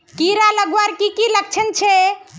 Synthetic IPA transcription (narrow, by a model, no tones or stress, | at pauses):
kiɾaləɡwaɾkikilək̚t͡ʃʰənt͡ʃʰe